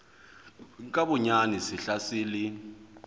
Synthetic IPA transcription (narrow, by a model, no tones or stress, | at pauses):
kʼaɓʊɲanisiɬasiːli